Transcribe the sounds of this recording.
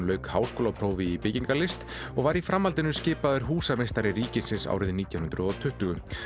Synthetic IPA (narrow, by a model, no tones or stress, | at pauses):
lœɥkhaːwskowlapʰɾoːwvɪipɪciŋkalɪst̪ | ɔɣvaɾifɾamhalt̪ɪnʏscɪːpaðʏɾ̥ɦuːsamejst̪aɾɪriːcɪsɪnsa̰wɾɪðniːt̪jawnʏnɾʏðɔt̪ʰʏht̪ʏɣʏ